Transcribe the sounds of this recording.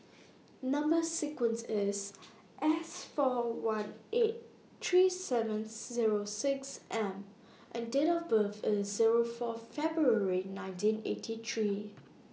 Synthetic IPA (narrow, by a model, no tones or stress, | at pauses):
nãmbəsikwə̃nsɪs | ʔɛsfɔwãnʔet̚ | tʰɹisɛvə̃nziɹosɪksʔɛ̃m | ʔɛ̃ndɛɾɔfbəvəziɹofɔfɛbɹuəɹinãɪ̃ntĩnḛtʰit̪ʰɹi